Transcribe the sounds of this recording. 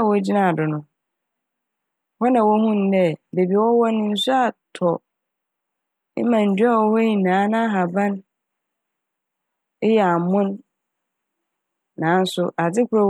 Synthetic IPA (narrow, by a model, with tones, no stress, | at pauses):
wɔ˦d͡ʑi˦nã˨dʊ˨nʊ̃˦ | hɔ˦nã˨wɔ˦hũ˦n̩˦dɛ˦be˨bi˨wɔ˦wɔ˦nɪ̃˦n̩˦sʊ˦a˨tʰɔ˨˦ | mã˨n̩˨dɥa˦˨wɔ˦hɔ˦ɲĩ˨nãː˨˦nã˦ɦa˨bã˦n | ɪ˦jɛ˨a˨mʊ̃˦n | nãː˨˦n̩˦sʊ˦ʔa˨d͡zɪ˦kʰʊ˦ɔ˦˨